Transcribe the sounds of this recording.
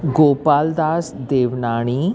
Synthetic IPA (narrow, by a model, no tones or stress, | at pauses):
ɡoːpaːld̪aːsd̪eːʋnaːɳ̃iː